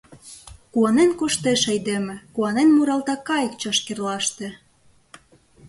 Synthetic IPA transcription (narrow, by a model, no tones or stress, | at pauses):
kuɑnenkoʃt̪eʃəjd̪emɘ̆kuɑnenmuɾɑlt̪ɑkɑjə̆kt͡ɕɑʃkerlɑʃt̪ĕ